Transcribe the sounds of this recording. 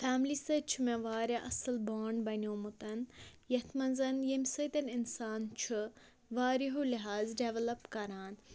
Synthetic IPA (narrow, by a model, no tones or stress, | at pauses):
faːmlisɐt͡ʃʰumẽʋaːɾjaʔɐsɨlbaːɳɖbɐnʲoːmut̪ɐnjɐt̪ʰmɐnzɐnjɐmʲsɐt̪ɐninsaːnt͡ʃʰu | ʋaːɾiɦuliɦaːzɖeʋɐlɐpkɐɾaːn